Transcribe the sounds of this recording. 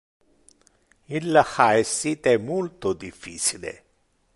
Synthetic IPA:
ilːaxaɛsːit̪ɛmolt̪od̪ifːiːt͡ʃilḛ

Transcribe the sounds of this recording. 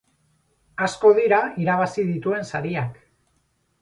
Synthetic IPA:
asko̞ðiɾaiɾaβ̞asið̞it̪ue̞nsaɾiak

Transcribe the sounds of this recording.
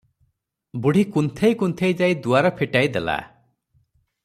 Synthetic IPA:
buɽ̤ʱikunt̪ʰejkunt̪ʰejd͡ʒajd̪uaɾɔpʰiʈajd̪ela̰

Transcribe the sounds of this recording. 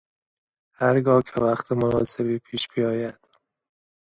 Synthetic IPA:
hæɾɡɒːcʰevæxt̪ʰemonɒ̰ːse̞biːpʰiːʃb̥ijɒːjæd̪̥

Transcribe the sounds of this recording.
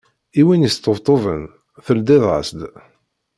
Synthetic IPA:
iwinəst̪əvt̪ˤovə̰n | θəld̪ɪðə̰sd̪

